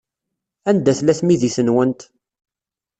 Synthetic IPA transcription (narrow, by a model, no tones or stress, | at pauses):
ænd̪æθlæθmiðiθənwənt̪